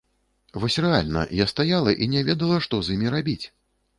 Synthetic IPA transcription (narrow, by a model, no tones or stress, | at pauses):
vɔsʲrɛalʲnɐ̰jast̪ajalˠɐʔinʲɛvʲɛd̪ɐlˠɐʂt̪ɔzʲjimʲiɾabʲit͡sʲ